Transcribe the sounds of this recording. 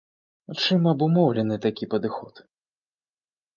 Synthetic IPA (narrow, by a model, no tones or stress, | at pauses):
t͡ʂɨmɐbumɔwlʲɛnɨt̪akʲipɐd̪ɨxɔt̪